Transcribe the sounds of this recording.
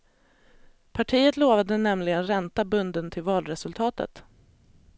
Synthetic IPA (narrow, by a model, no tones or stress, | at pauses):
pʰaʈʰiːət̪loːvad̪ənɛmlɪɡənɾɛnt̪abɵnd̪ənt̪ʰɪlvɑːlɾɛsɵlt̪ʰɑːt̪ə̰t̪